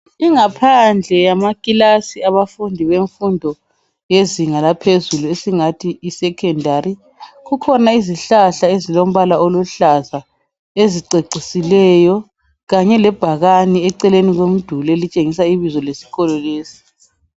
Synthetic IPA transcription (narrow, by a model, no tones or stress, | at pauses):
iŋapʰand͡ɮʱɛjamakʼilasiaβafundʱiβeɱfundʱɔ | jeziŋalapʰezuluesiŋatʰiːsɛkʰɛndʱaɾi | ɣukʰɔnaiziɬaɬaezilom̩βalaoluɬaza | eziǀeǀisilɛjɔ | ɣaɲɛlɛb̥ʱaɣaniɛǀɛleniɣwem̩d̥ʱulɛlit͡ʃʼeŋis̬aiβizɔlesi̥ɣɔlɔleːsi̥